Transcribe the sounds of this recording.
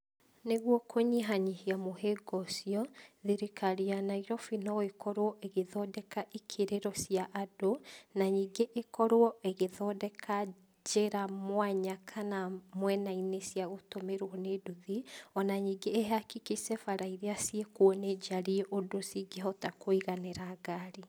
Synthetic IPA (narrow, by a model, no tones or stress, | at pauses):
neɣwɔkʰoɲiɦaɲihiamoɦeɡɔsiɔðiɾikʰaɾianaiɾɔfinɔekɔɾwɔʔeɣeðɔdɛkaʔikʰeɾeɾɔsiaʔadonaɲiɡeʔekɔɾwɔʔeɣeðɔdɛkʰa | d͡ʒeɾamwaɲakʰanamwɛnainesiaɣotomeɾooneduðiɔnaɲiːɡeːɦakikisɛfaɾaiɾeasiekuɔned͡ʒaɾiʔodosiɡeɦɔtakoiɣaneɾaɡaɾi